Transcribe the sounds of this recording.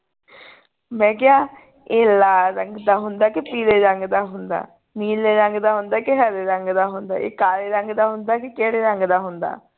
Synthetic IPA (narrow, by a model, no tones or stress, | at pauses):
mɛ̃ːk̬ɪaː | eːlaːɾəŋɡd̪aːɦʊnd̪aːkɪpiːleːɾəŋɡd̪aːɦʊnd̪a̰ː | miːleːɾəŋɡd̪aːɦʊnd̪aːkɪɦəɾeːɾəŋɡd̪aːɦʊnd̪a̰ːʔḛːkaːleːɾəŋɡd̪aːɦʊnd̪aːkɪkeːɽeːɾəŋɡd̪aːɦʊnd̪a̰ː